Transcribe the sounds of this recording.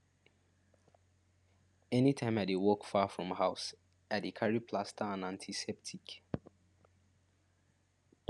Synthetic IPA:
ɛnitʰãɪ̃maɪdewɔkfafɹɔ̃mhaʊs | aɪdekʰaɹipʰlastʰəãnãntʰisɛp̚tʰik

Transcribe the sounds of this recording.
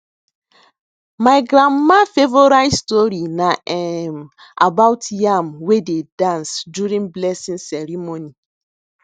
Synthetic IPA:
maɪɡɾãmmːafevoɾaɪstɔɾinaʔɛm | a̰bawtjamwededãnsduɾĩnblɛsĩnsɛɾimoni

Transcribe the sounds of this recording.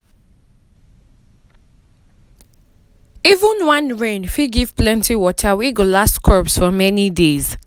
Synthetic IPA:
ivə̃nwãnɹẽnfiɡiv̥plɛ̃ntʰiwɔtʰəwiɡolastkʰɔpsfɔmɛnidez̥

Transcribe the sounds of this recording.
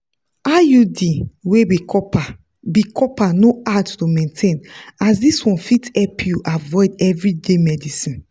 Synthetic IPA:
ajudiwewikɔpa | bikʰɔpanoattomẽntʰẽnasdiswɔ̃nfitɛpʰjuʔavɔɪdɛvɹidemɛdisĩn

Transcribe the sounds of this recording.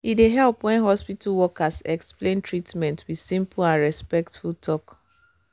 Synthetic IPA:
ideɦɛlˠpwɛ̃nɦɔspitalwɔkasɛksplẽntʰɹitmɛ̃ntʰwiðsĩmplãnɹɛspɛktfulˠtʰɔk

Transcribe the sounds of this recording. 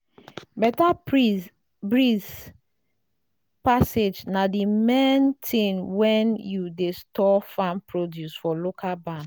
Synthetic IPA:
bɛta | bɹis | pased͡ʒnadimentʰĩnwɛ̃njudestɔfãmpʰɹodjusfɔlokʰalbãn

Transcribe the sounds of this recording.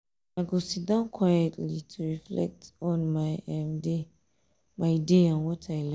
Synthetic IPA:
aɡosidãnkʰwajɛtlitʰuɹiflɛ̰k̚tɔ̃nmɛ̃mde | maɪdeãnwɔtʰajl

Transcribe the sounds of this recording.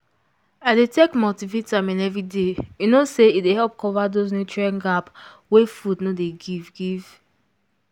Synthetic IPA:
adetekmɔtivetamɛ̃nɛvɾidejunoseidehɛlp̚kʰɔvadoz̬nut͡ʃɹãnɡap | wefudnodeɡivɡiv̥

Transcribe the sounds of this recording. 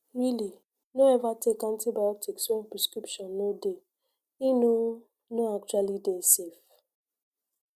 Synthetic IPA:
wili | noɛvatekãn̩tibajɔtiksɔ̃npɾiskɾipʃɔ̃nːode | ino | noak̚t͡ʃwalidesef

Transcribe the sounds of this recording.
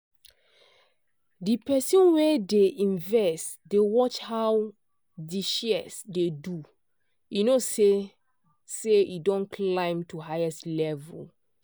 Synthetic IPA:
dipɛsĩnwɛdeʔĩnvɛstdewɔt͡ʃhaw | diʃɛsdedu | inose | seidɔ̃nkʰlãɪ̃mtuɦaɪɛstlɛvṵl

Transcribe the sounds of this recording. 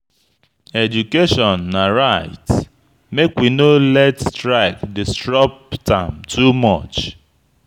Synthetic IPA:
ɛd͡ʒukeʃɔ̃nːaɾaɪt | mekwinolɛtstɾaɪkdɪstɹɔp̚tãmtʰumɔt͡ʃ

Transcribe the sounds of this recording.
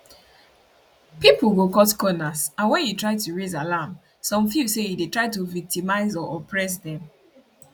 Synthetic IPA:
pipulɡokɔtkɔnasãnwɛ̃njutɹaɪtuɹezalam | sɔ̃mfjusejidetɹaɪtuvik̚timaɪzɔʔɔpʰɹɛs̬dɛ̃m

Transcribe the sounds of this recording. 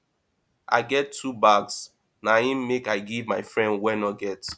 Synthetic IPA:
ʔa̰ɪɡɛtʰːubaɡs | nahĩmːekaɪɡivmaɪfɹɛ̃ndwɛnɔɡɛt

